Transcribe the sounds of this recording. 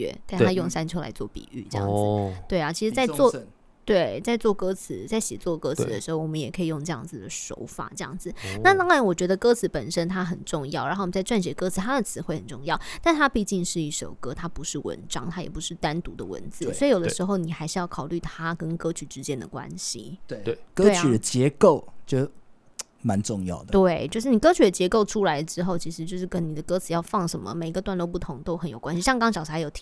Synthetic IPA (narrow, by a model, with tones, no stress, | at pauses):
ɛ̰˥˩t̪t̪ʰa˥jʊ˥˩ŋsa˥nt͡ɕʰjo˥ʊla̰˧˥ɪt͡swɔ̰˥˩pḭ˨˩y̰˥˩ʈ͡ʂɤ̰˥˧jɑ̰˥˩ŋd͡zt̪we˥˩ɪa˨˩t͡ɕʰi˧˥ʂɻ̩˧˥t͡sa˥˧ɪt͡swɔ˥˧ | t̪we˥˩ɪt͡sa˥˧ɪt͡swɔ˥˩kɤ˥t͡sʰɹ̩˧˥t͡sa˥˩ɪɕɛ˨˩t͡swɔ˥˧kɤ˥t͡sʰɹ̩˨˥d̪ə˧ʂɻ̩˧˥xo˥˩wɔ˨˩mə˦jɛ˨˩kʰɤ˧˥i˨˩jʊ˥˧ŋʈ͡ʂɤ˧jɑ˥˩ŋd͡zɹ̩˨˩d̪ə˩ʂo̰˧˥ʊfa̰˨˩ʈ͡ʂɤ˥˧jɑ̰˥˩ŋd͡zɹ̩˩na˥˧lɑ˥˩ŋɻa˧˥nwɔ˨˩t͡ɕɥɛ˧˥d̪ə˧kɤ˥t͡sʰɹ̩˧˥pə˨˩nʂə˥nt̪ʰa˥xə˨˩nʈ͡ʂʊ˥˧ŋjɑ˥˩ʊ˨˧˥xo˥˩˨t͡sa˥˧ɪʈ͡ʂwa˥˩nɕ̬ɥɛ˧˥kɤ˥t͡s̩ʰ˨˩t̪ʰa˥d̪ə˨t͡sʰɹ̩˧˥xwe˥˩ɪxə˨˩nʈ͡ʂʊ˥˧ŋjɑ˥˩ʊt̪a˥˩nt̪ʰa˥pi˥˧t͡ɕi˥˧ŋʂɻ̩˥˧i˥˩ʂo̰˨˩ʊkɤ˥t̪ʰa˥pu˧˦ʂɻ̩˥˩wə̰˧˦nʈ͡ʂɑ˥ŋt̪ʰa˥jɛ˨˩pu˧˥ʂɻ̩˥˩t̪a˥nt̪u˧˥d̪ə̰˨wə̰˧˥nt͡sɹ̩˥sswɔ˧˥i˧jo˨˩d̪ʂɻ̩˧˥xo˥˩ʊni˨˩xa˧˥ɪʂɻ̩˥˧jɑ˥˩kʰɑ˨˩ʊly˥˩t̪ʰa˥kə˥nkɤ˥t͡ɕʰy˨˩ʈ͡ʂɻ̩˧˥t͡ɕjɛ˥nd̪ə̰˨kwa̰˦˥nɕḭ˨˥˧kɤ˥e˥˩y˨˩d̪ə˦t͡ɕjɛ˧˦ko˥˨ʊt͡ɕjo˥˧ʊ | ma˨˦nʈ͡ʂʊ˥˧ŋjɑ̰˥˩ʊd̪ət̪we˥˩ɪt͡ɕjo˥˧ʊʂɻ̩˥˩ni˨˩kɤ˥t͡ɕʰy˨˥d̪ə˩t͡ɕjɛ˧˥ko˥˩ʊʈ͡ʂʰu˥la˧ɪd̪əʈ͡ʂɻ̩˥xo˥˩ʊt͡ɕʰi˧˥ʂɻ̩˧t͡ɕjo˥˧ʊʂɻ̩˥˩kə˦˥ni˨˩d̪ə˩kɤ˥t͡sʰɹ̩˨˩jɑ˥˧ʊfɑ˥˩ŋʂə˧˦˥nmə̰˨me˨˩ɪi˧ɡə˧t̪wa˥˧nlwo˥˧ʊpu˥˩t̪ʰʊ˧˥ŋt̪o˥ʊxə˧˥njo˨˩ʊkwa˥nɕi˧˩ɕjɑ˥˧ŋkɑ˥ŋɕjɑ˨˩ʂ̩˧˩a˧˥ɪjo˨˩ʊtʰ